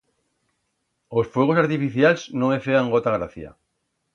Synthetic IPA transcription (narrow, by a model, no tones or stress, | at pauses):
osfwoɣ̞osaɾt̪ifiθjalznõŋefeaŋɡot̪aɣɾaθja̰